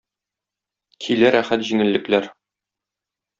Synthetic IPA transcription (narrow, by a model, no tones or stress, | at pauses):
kʰilæɾæχæt̪ʑiŋɘ̆lːɘ̆klæɾ